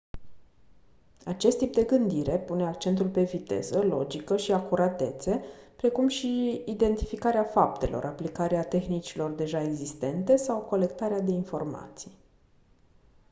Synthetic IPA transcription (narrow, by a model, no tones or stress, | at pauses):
at͡ʃe̞st̪ip̚d̪e̞ɡɨnd̪iɾe̞pune̞akt͡ʃe̞nt̪ulpe̞vit̪e̞̰zəlo̞̰d͡ʒikəʃiakuɾʔat̪e̞t̪se̞pɾe̞kumʃiːd̪e̞nt̪ifikaɾeafap̚t̪e̞̰lʔo̞̰rʔaplikaɾeat̪e̞xnit͡ʃilo̞rd̪e̞ʒaeɡzist̪e̞nt̪e̞sawko̞le̞k̚t̪aɾead̪e̞info̞rma̰t̪sij